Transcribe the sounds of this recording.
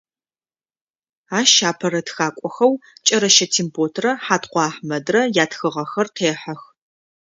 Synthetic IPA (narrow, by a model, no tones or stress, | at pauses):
aːʃaːpʰɐɾɐtxaːkʷʼɔxɐwt͡ʃʼɐɾɐʃɐtʰiːmpʰoːtʰrɐħaːtqʷɑːħmɐdrɐjaːtxɨʁɐxɐrqʰeːħɐx